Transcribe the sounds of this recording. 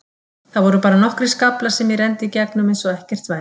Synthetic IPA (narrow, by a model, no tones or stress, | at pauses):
θaðvɔɾʏpaːɾanɔhkɾɪ̥skaplasɛmjɛrɛnt̪ɪicɛknʏmɪnsɔɛhcɛr̥t̪va